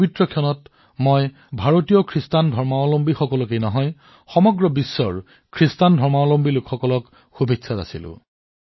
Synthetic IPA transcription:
bitɹɔkʰijɔnɔt | mɔj | bʱaɹotijɔkʰɹistandʱɔɹmaolombixɔkɔlɔk̬ejnɔɦɔj | xɔmɔɡɹɔbisːɔ̰ɹ | kʰɹistandʱɔɹmaolombilʊkxɔkɔlɔk | xubʱiksʰata̰silʊ̰̃

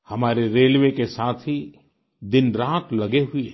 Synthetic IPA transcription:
hɐmaːɾeɾeːlʋekesaːt̪ʰɦi | d̪ɪnɾãːt̪lɐɡeɦʊi

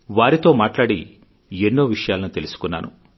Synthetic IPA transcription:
ʋaːɾit̪o̞ːmaːʈlaːɽi | enːoːʋiʂɐjaːlɐnut̪elusu̥kunːa̰ːnṵ

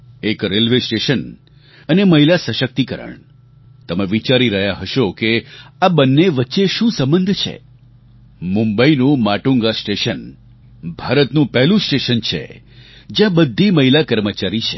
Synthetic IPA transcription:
ekɾelʋesʈeʃən | əneməɦilasəʃək̚t̪ikəɾə̰ɳ | t̪əmẽʋit͡ʃaɾiɾəɦjaɦəʃokeabənːeʋətːʃeʃũsəmbənd̪ʱt͡ʃʰḛ | mũmbəinũmaʈuŋɡasʈeʃən | bʱaɾət̪nũpɛɦlũsʈeʃənt͡ʃʰḛ | d͡ʒjãbəd̪ʱːiməɦilakəɾmət͡ʃaɾit͡ʃʰe̥

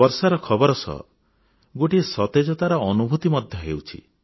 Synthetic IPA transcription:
ɔɾsaɾɔkʰɔbɔɾɔsɔ̰ | ɡoʈiesɔt̪ed͡ʒɔt̪aɾɔɔnubʱut̪imɔd̪ʱjɔɦḛwt͡ʃʰḭ

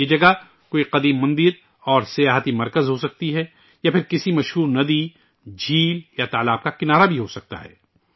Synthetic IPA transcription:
jed͡ʒɐɡa | koːiqɐd̪iːmːɐ̃nd̪ɪɾ | ɔːɾsɐjaːɦət̪imɐɾkəzɦosɐk̚t̪iɦɛ | japʰɪɾkɪsimɐʃɦuːɾnɐd̪iː | d͡ʒʱiːljat̪aːlaːb̚kakɪnaːɾabʱiɦosɐk̚t̪a̰ɦɛ̰ː

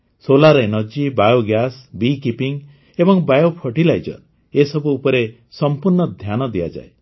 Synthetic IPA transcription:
solaɾenɔd͡ʒibajoɡjasbikipiŋ | ebɔŋbajopʰɔʈilajd͡ʒɔ̰ɾ | esɔbuːpɔɾe | sɔmpuɾnɔd̪ʱjanɔd̪iad͡ʒa̰e

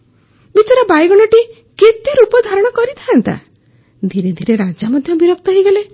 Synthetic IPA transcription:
bit͡ʃaɾɔbajɡɔɽ̃ɔʈi | ket̪iɾupɔd̪ʱaɾɔɽ̃ɔkɔɾit̪ʰaant̪a̰ | d̪ʱiɾed̪ʱiɾeɾad͡ʒamɔd̪ʱjɔbiɾɔk̚t̪ɔɦiɡale

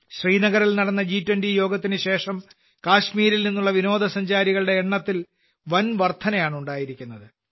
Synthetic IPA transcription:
ɕriːnɐɣɐɾilnɐɽɐnːɐd͡ʑiːtːwɐndijo̞ːɡɐt̪ːinɨɕe̞ːʂɐm | kaːɕmiːɾilninːuɭːɐʋino̞ːd̪ʱɐsɐɲd͡ʑaːɾiɣɐɭɽe̞ːɳːɐt̪ːil | ʋɐnʋɐrt̪ʰɐnɐjaːɳuɳɖaːjiɾikʲːunːɐðɨ

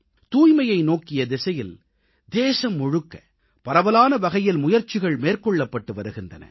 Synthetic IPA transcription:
t̪uːjmɐjɐɪnoːkɪjɐd̪ɪsɐjɪl | d̪eːsɐmːɔɻɯkːɐ | pɐɾɐʋɐlaːnɐʋɐɣɐjɪlmʊjɐɾt͡ʃɪɣɐɭmeːrkɔɭːɐpːɐʈːɯʋɐɾɯɣɪndrɐ̰nɐ̰

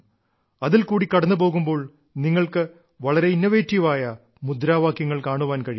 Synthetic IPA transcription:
ɐðilkuːɽikɐɽɐnːɨp̬o̞ːɣumbo̞ːɭ | niŋːɐɭkɨ | ʋɐɭɐɾeinːɐʋeːtːiʋaːjɐ | mud̪ɾaːʋaːkjɐŋːɐɭkaːɳuʋaːnkɐɻij

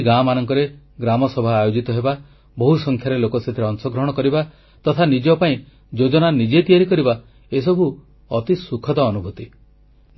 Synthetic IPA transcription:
ɡamanɔŋkɔɾe | ɡɾamɔsɔbʱaːjod͡ʒit̪ɔɦeba | bɔɦusɔŋkʰjaɾelokɔset̪ʰiɾeɔnsɔɡɾɔɦɔɽ̃ɔkɔɾiba | t̪ɔt̪ʰanid͡ʒɔpaĩ | d͡ʒod͡ʒɔnanid͡ʒet̪ijaɾikɔɾiba | es̬ɔbʱu | ɔt̪isukʰɔt̪ɔːnubʱut̪i

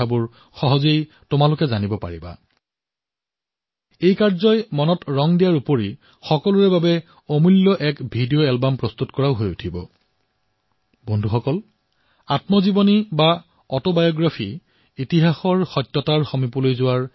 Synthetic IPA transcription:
abʊɹ | xɔɦɔzej | tʊmalʊkɛzanibɔpaɹiba̰ | ejkaɹzɔjmɔnɔtɹɔŋdijaɹupoɹi | xɔkɔlʊɹɛbabɛ | omulːɔʔɛkbʱidijoɛlbampɹɔstutkɔɹaʊɦojutʰibɔ̰ | bondʱuxɔkɔl | atmɔzibɔniba | ɔtobajɔɡɹapʰi | itiɦaxɔɹxɔjtːɔtaɹxomipɔlojzʊwaɹ

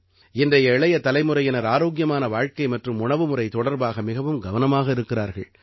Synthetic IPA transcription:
ɪndrɐjɐɪɭɐjɐt̪ɐlɐɪmɯɾɐjɪnɐɾaːɾoːɣjɐmaːnɐʋaːɻkɐɪmɐʈrɯmʊɳɐʋɯmɯrɐɪt̪ɔɽɐɾbaːɣɐmɪɣɐʋɯmɡɐʋɐnɐmaːɣɐɪɾɯkːɪraːɾɣɐ̰ɭ

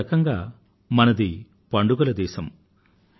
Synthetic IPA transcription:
ɐkɐŋɡaː | mɐnɐd̪i | pɐɳɖuɡɐlɐd̪ɛːsɐm

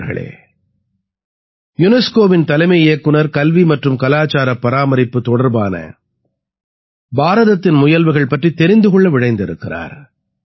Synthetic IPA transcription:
ɾɣɐ̰ɭḛː | jʊnɛskoːʋɪnt̪ɐlɐɪmɐeːkːɯnɐɾkɐlʋimɐʈrɯmkɐlaːt͡ʃːaːɾɐpːɐɾaːmɐɾɪpːɯt̪ːɔɽɐɾbaːnɐ̰ | baːɾɐðɐt̪ːɪnmʊjɐlʋɯɣɐɭpɐʈrit̪ːɛɾɪnd̪ɯɣɔɭːɐʋɪɽɐɪnd̪ɪɾɯkːɪɾa̰ːɾ

